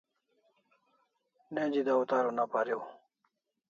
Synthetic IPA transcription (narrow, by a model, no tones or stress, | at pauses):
ned͡ʑid̪aut̪aːɾonapaɾew